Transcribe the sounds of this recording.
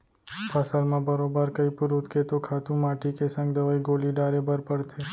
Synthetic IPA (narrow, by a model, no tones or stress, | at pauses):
pasəlmãbəɾobəɾkəipuɾut̪kʰet̪okʰat̪ũmaʈʰikesə̃ŋɡd̪əʋaiɡoliɖaɾebəɾpəɽt̪ʰe